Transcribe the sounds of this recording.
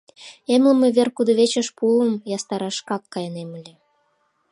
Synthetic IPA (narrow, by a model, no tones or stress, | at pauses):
emlə̆mĕβerkud̪ŏβet͡ɕə̆ʃpuəmjɑst̪ɑɾɑʃkɑkːɑjənemə̆lʲĕ